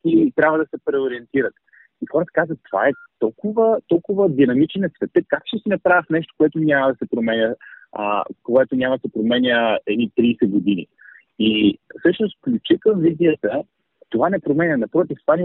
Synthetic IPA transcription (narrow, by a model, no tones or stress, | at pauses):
k̪it̪ɾʲabvəd̪ɐsɛpɾɛoɾiɛnt̪iɾət̪ | ixɔɾət̪ə̥kazət̪ːova̰ɛt̪ɔlˠkʊvət̪ɔlˠkʊvəd̪inɐmit͡ʃnɐsvɛt̪əkakʃt̪ɛsinɐpɾavəfnɛʃ̬t̪o̥koɛt̪onʲamɐd̪ɐsɛpɾomɛnʲə̰ | koɛt̪onʲamɐd̪ɐsɛpɾomɛnʲəɛd̪nit̪ɾiːsɛɡod̪inḭ | ifsɤʃnost̪fklʲut͡ʃikəmviziət̪ə | t̪ovanɛpɾomɛnʲɐnɐpɾɔt̪̬ift̪ovan